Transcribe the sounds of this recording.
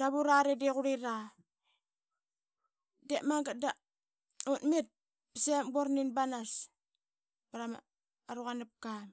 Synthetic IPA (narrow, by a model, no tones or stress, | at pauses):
daβuɾaɾediɣuɾiɾa | demaŋɡat̚da | utmit̚ | pisemboɾninbanas | baɾama̰ | aɾuɣanap̚kam